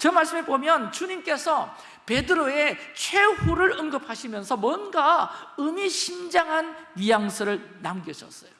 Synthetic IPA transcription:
t͡ɕʌmaɭs͈ɯmebomjʌnt͡ɕuɲimk͈e̞sʰʌ | pe̞dɯɾoe̞t͡ɕʰwe̞huɾɯɾɯŋɡɯp̚ʰhaɕʰimjʌnsʰʌmwʌnɡaɯmiɕʰind͡ʑaŋɦanɥijaŋsʰɯɾɯɭnamɡjʌɕʰʌs͈ʌjo

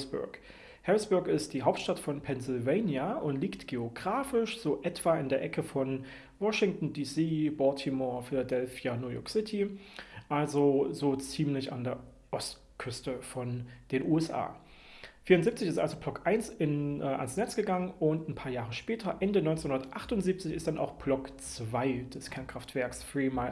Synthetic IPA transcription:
sb̥ʊ̰ɐk | hɛʁɪsb̥ʊɐkɪstd̥iːɦaʊptʃtatfɔnpʰɛnsɪlveɪnjaʔʊntliːktɡ̥eoɡʁaːfɪʃz̥oːʔɛtv̥aɪndeːɐʔɛkʰəfɔn | vɔʃɪŋtn̩diːsiːbɔtʰimɔɐfɪladɛlfjanujɔ̰ɐksɪtʰiʔalzozoːt͡siːmlɪça̰ndeːɐ | ʔɔst | kʰʏstəfɔnd̥eːnʔuːɛsʔa̰ː | fiːɐʁʊntziːp̚t͡sɪçɪstʔalzoblɔkʔaɪnsɪnːʔa̰nsnɛt͡sɡ̥əɡaŋənʊntnpʰaːɐjaːʁəʃpɛːtʰɐʔɛndənɔʏnt͡senhʊndɐtʔaχtʊntz̥iːp̚t͡sɪçɪst̚d̥ana̰ʊxb̥lɔkt͡sv̥aɪd̥ɛskʰɛɐnkʁ̥aftv̥ɛɐksfʁ̥iːma

